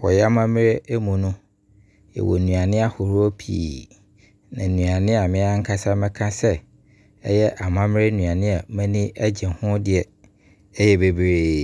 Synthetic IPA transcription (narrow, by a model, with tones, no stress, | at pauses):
wɔ̰˨jɛ˦a˦mã˦mɪ˦ɾe˦e˦mũ˨nʊ̃˦ | jɛ̰˨wɔ̰˨n˨nũ˨a˨nɪ̃˦a˦hʊ˨ɾo˦pʰḭː˨ | nã˨nũ˨a˨nɪ̃˦a˨mɪ̃˦a˦ŋ̩˦kʰa˦sa˦mɛ̃˦kʰã˦sɛ˦ | ɛ˦jɛ˦ʔa˨mã˦mɪ˦ɾe˦nũ˨ã˨nɪ̃˦a˨mɛ̃˦nĩ˦ʔæ˦d͡ʑɛ̃˨hʊ̃˦dɪ˨ɛ˨ | ɛ˦jɛ˦be˨bɾeː˨˦